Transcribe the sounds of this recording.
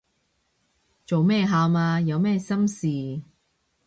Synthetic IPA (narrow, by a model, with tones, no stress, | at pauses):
t͡so˨wmɛː˥ɦaː˧wmaː˧jɐ˨˧wmɛː˥˧sɐ˥msiː˨